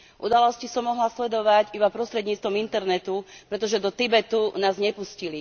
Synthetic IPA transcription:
ʔṵd̪alɔscisɔmːɔɦlaslɛd̪ɔʋaɟibapɾɔst̪ɾɛd̪ɲiːt͡st̪ʋɔmint̪ɛɾnɛt̪upɾɛt̪ɔʒɛd̪ɔt̪ibɛt̪unaːzɲɛpuscili

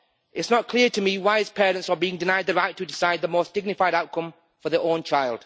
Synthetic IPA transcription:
ʔɪtsnət̚kʰl̥ɪəɹtʰəmiwaɪɪz̥pʰɛːɹə̃ntsəbiɪ̃ŋdɪnaɪd̪̚ðəɹaɪtʰədɪsaɪd̪̚ðəmoʊsd̥ɪɡ̚nɪfaɪɾaʊt̚kʰʌ̃ɱ | fəðəʔõʊ̃nt͡ʃʰaɪlˠd̥

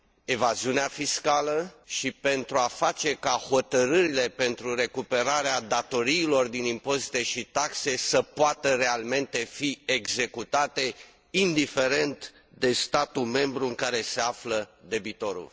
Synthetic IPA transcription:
e̞vaziuneafiskaləʃipe̞nt̪ɾuafat͡ʃe̞kaho̞t̪əɾɨɾile̞pe̞nt̪ɾure̞kupe̞ɾaɾead̪at̪o̞ɾiːlo̞rd̪inimpo̞zit̪e̞ʃit̪akse̞səpoat̪əɾe̞alme̞nt̪e̞fieɡze̞kut̪at̪e̞ | ind̪ife̞ɾe̞nt̪ | d̪e̞st̪at̪ume̞mbɾuɨŋkaɾe̞se̞afləd̪e̞bit̪o̞ɾṵl

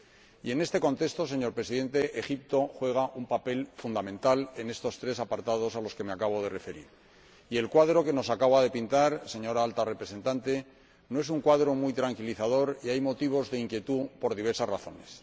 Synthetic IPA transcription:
ie̞ne̞st̪e̞ko̞nt̪e̞st̪o̞s̬e̞ɲo̞ɾpɾe̞siðe̞nt̪e̞ʔexip̚t̪o̞xwe̞ɣ̞aʔumpape̞lfund̪amẽ̞nt̪ale̞ne̞st̪o̞st̪ɾe̞sapaɾt̪að̞o̞salo̞ske̞meakaβo̞ð̞e̞re̞fe̞ɾḭɾ | ie̞lkwaðɾo̞ke̞no̞sakaβað̞e̞pint̪aɾse̞ɲo̞ɾaalt̪arepɾe̞se̞nt̪ant̪e̞ | noe̞suŋkwaðɾo̞mujt̪ɾaŋkiliθaðo̞ɾiajmo̞t̪iβ̞o̞zðe̞iŋkje̞t̪upo̞ɾð̞iβ̞e̞ɾsazraθo̞̰ne̞s

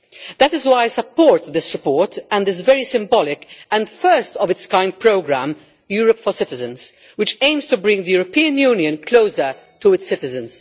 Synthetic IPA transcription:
ðætɪzwaɪsəpːɔːɹt̪ðɪsɹɪpɔːɹtæ̃ndɪzvɛɹisɪ̃mbɔlɪkɛ̃ndfɜ˞stɔvɪtskãɪ̃nd̪̚pɹoʊɡɹæ̃m | juːɹəpfɔsɪtɪzə̃nz̥ | wɪt͡ʃẽɪ̃mstubɹɪ̃ŋðəjuːɹɾɔpĩːɨ̃njuːnjɨ̃nkʰloʊsə | tuɪtsɪtɪzə̃nz

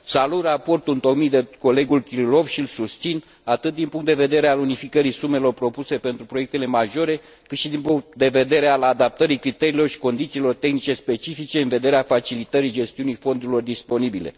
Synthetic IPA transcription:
salut̪rapo̞rt̪unt̪o̞kmijd̪eko̞le̞ɡulkʲililo̞vʃilsust̪sin | at̪ɨt̪̚d̪inpuŋkt̪d̪eve̞d̪e̞ɾealunifikəɾisume̞lo̞rpɾo̞puse̞pe̞nt̪ɾupɾo̞jek̚t̪e̞le̞maʒo̞ɾe̞ | kɨt̪ʃid̪inpuŋkt̪̚d̪e̞ve̞d̪e̞ɾealad̪ap̚t̪əɾikɾit̪eɾiːlo̞rʃi̥ko̞nd̪it̪siːlo̞rt̪e̞xnit͡ʃe̞spe̞t͡ʃifit͡ʃe̞ɨnve̞d̪e̞ɾeafat͡ʃilit̪əɾid͡ʒe̞st̪iunijfo̞nd̪uɾilo̞rd̪ispo̞nibile̞̰

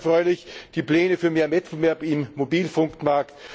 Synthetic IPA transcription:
fʁɔʏlɪçd̥iːpl̥ɛːnəfyːɐmeːɐmɛt̩vɛɐpɪmːobiːlfʊŋktmaɐkt

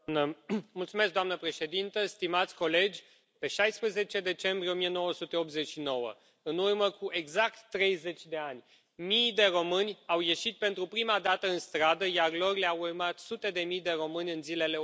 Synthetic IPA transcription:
nəmult̪sumesk̪̚d̪oamnəpɾe̞ʃe̞d̪int̪əst̪imat̪sʲko̞le̞d͡ʒʲ | pe̞ʃajspɾeze̞t͡ʃe̞d̪e̞t͡ʃe̞mbɾieo̞mije̞no̞wəsut̪e̞o̞p̚t̪ze̞t͡ʃʃino̞wə̰ | ɨnurməkuʔe̞ɡzak̚t̪ːɾe̞jze̞t͡ʃʲd̪e̞anʲ | mijd̪e̞ro̞mɨnʲawje̞ʃit̪̚pe̞nt̪ɾupɾimad̪at̪əɨnst̪ɾad̪əjarlo̞rleawurmat̪sut̪e̞d̪e̞mijd̪e̞ɾo̞mɨnʲɨnzile̞le̞

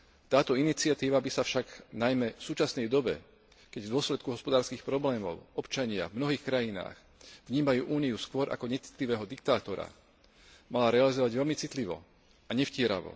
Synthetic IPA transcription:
t̪aːt̪ɔinit͡sɪat̪iːʋabisafʃaɡnajmɛfsuːt͡ʃasnɛjd̪ɔbɛ | kɛɟvd̪ʊɔslɛt̪̚kuɦɔspɔd̪aːɾskiːxpɾɔblɛːmɔ̰ʊɔpt͡ʃaɲɪa̰vmnɔɦiːxkɾajina̰ːx | vɲiːmajuːʔuːniuskʋɔɾʔa̰kɔɲɛt͡si̥t̪liʋɛːɦɔd̪ik̚t̪aːt̪ɔɾa̰ | malaɾɛalizɔʋaɟʋɛlmit͡sit̪liʋɔ̰ | aɲɛfcɪɛɾa̰ʋɔ̰

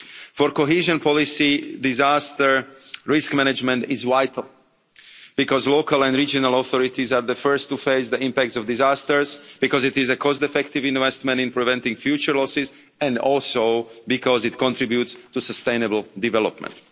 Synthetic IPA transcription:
fɔɾkoɦiːʒə̃npɔlisidizaːst̪əɹɹiskmɛnɛd͡ʒmɛ̃nt̪izʋaɪt̪ʰl̩ˠ | b̥ikɔzlokʰalɛ̃nd̪ɾid͡ʒɔnalˠɔθɔɾit̪izaːɹðəfɜɹst̪ːufeɪsd̪əĩmpæk̚tsɔvdizaːst̪əɹzb̥ikɔzit̪izɛkʰɔst̪ɛfɛkt̪ivĩnʋɛst̪mɛ̃ntĩnpɹivɛ̃nt̪ĩŋfjuːt͡ʃəɹlɔsiz | ɛ̃ndɔlsoʊbikɔzit̪kɔ̃nt̪ɾibjut̪st̪usəst̪eɪnɛbl̩d̪ivɛlɔ̰pmɛ̰̃nt̪

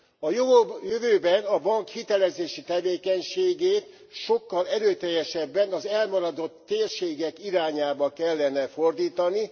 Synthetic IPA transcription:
ɒjovobjøvøːbɛnɒbɒŋkhit̪ɛlɛzeːʃit̪ɛveːkɛɲʃeːɡeːt̪ | ʃo̞kːɒlɛɾøːt̪ɛjːɛʃɛbːɛnɒzɛlmɒɾɒd̪o̞t̪ːeːrʃeːɡɛkiɾaːɲaːbɒkɛlːɛnɛfo̞rd̪iːt̪ɒni

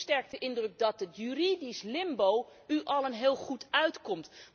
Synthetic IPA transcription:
stɛɹk̚təʔɪndrɵk̚dɑtətjyridislɪmbowyʔɑlˠənɦɪːlˠχutʰœɥtkɔmt

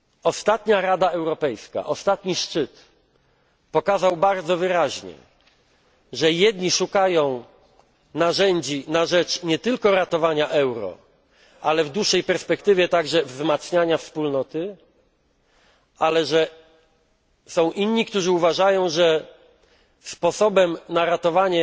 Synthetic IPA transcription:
ɔst̪at̪ɲaɾad̪aɛwɾɔpɛjska̰ʔɔst̪at̪ɲiʂt͡ʂɘt̪ | pɔkazawbaɾd̪zɔvɘɾaʑɲɛ̰ | ʐɛjɛd̪ɲiʂukajɔ̃w̃ | naʐɛɲd͡ʑinaʐɛt͡ʂɲɛt̪ɘlkɔɾat̪ɔvaɲaʔɛwɾɔ̰ | ʔalɛvd̪wuʂːɛjpɛɾspɛkt̪ɘvʲjɛt̪aɡʐɛvzmat̪sɲaɲafspulnɔt̪ɘ | alɛʐɛ | sɔ̃w̃ʔinɲikt̪uʐɘuvaʐajɔ̃w̃ʐɛ | spɔsɔbɛmnaɾat̪ɔvaɲɛ

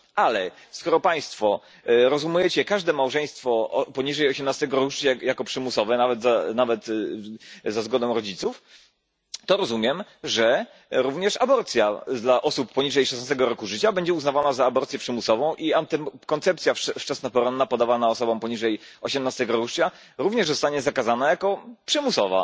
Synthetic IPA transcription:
ʔalɛ | skɔɾɔpaj̃st̪fɔ | ɾɔzumujɛt͡ɕɛkaʐd̪ɛmawʐɛj̃st̪fɔpɔɲiʐɛjɔɕɛmnast̪ɛɡɔɾuʂt͡ɕajakɔpʂɘmusɔvɛnavɛt̪zanavɛt̪ | zazɡɔd̪ɔ̃w̃ɾɔd͡ʑit̪suf | t̪ɔɾɔzumʲjɛmʐɛ | ɾuvɲɛʂabɔɾt̪sʲjad̪laʔɔsupːɔɲiʐɛjʂɛsnast̪ɛɡɔɾɔkuʐɘt͡ɕabɛɲd͡ʑɛuznavanazaːbɔɾt̪sʲjɛpʂɘmusɔvɔ̃w̃ʔiat̪ɛkɔnt̪sɛpt̪sʲjafft͡ʂasnapɔɾɔnːapɔd̪avanaɔsɔbɔ̃w̃pɔɲiʐɛjɔɕɛmnast̪ɛɡɔɾuʂt͡ɕa | ɾuvɲɛʐzɔst̪aɲɛzakazanajakɔpʂɘmusɔva̰

